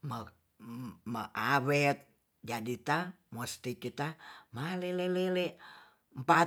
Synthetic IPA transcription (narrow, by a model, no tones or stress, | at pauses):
mə | məʔawɛt̪̚ | d͡ʒadit̪a | most̪it͡ʃut̪amalelelele | mpa